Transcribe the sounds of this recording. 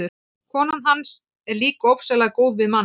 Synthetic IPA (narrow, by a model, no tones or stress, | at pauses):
ʏ | kʰɔːnʏnɦans | ɛɾliːkaowpsɛlaɣkoːwðvɪðmanː